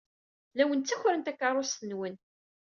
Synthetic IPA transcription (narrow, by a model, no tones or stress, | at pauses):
læwənt͡sːæçɾənt̪ækːɑrˤost̪ənwən